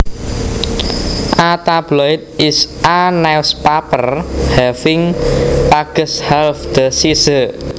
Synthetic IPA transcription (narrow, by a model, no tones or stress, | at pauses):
ʔat̪ab̥lɔɪt̪̚ɪsʔanaspapərhɛfɪŋpaɡ̥ə̤shɛlfd̪̥əsisə